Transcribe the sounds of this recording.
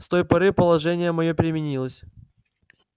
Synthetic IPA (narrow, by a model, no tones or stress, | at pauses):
st̪o̞jpɐɾɨpəlˠɐʐɛnʲɪjəmɐjopʲɾʲɪmʲɪnʲilˠəsʲ